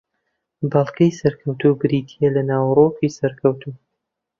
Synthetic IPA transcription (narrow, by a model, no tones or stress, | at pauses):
bɑlˠkʰɐjsɐɾkʰɐwt̪ubɨɾiːt̪ʰijelɐnaːwroːkiːsɐɾkʰɐwt̪ʰu